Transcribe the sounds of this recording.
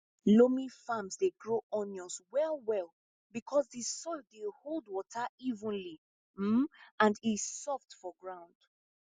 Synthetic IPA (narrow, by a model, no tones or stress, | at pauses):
lomĩfãmzdeɡɹoʔɔ̃njɔ̃nswɛlˠwɛlˠ | bikʰɔzðisɔdeholˠdwɔtʰəivə̃nli | m̩ãndisɔftfɔɡɹãʊ̃nd̥